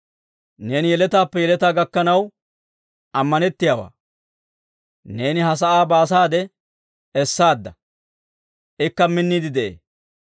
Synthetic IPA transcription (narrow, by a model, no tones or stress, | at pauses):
ne̞ːnɪjɛlɛt̪aːpːɛjɛlɛt̪aːɡɐkːɐnɐw | ʔɐmːɐnɛt̪ːɪjaːwa̰ː | ne̞ːnɪɦɐs̬ɐʔaːbaːs̬aːd̪ɛ | ɛsːaːd̪ːɐ | ʔɪkːɐmɪnːiːd̪ɪd̪ɛʔḛː